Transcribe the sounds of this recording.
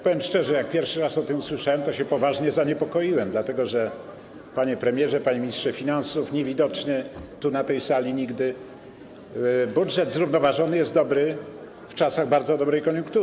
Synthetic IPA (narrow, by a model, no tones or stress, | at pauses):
pɔvjɛmʂt͡ʂɛʐɛjak̚pʲjɛɾfʂɘɾasɔt̪ɘmuswɘʂawɛmt̪ɔɕɛpɔvaʐɲɛzaɲɛpɔkɔjiwɛmd̪lat̪ɛɡɔʐɛ | paɲɛpɾɛmʲjɛʐɛpaɲemʲiɲistʂɛfʲinansufɲevʲid̪ɔt͡ʂɲɛt̪unat̪ɛjsalʲiɲiɡd̪ɘ | budʐɛd̪zɾuvnɔvaʐɔnɘjɛst̪̚d̪ɔbɾɘ | ft͡ʂasaɣbaɾd̪zɔd̪ɔbɾɛjkɔɲũŋk̚t̪u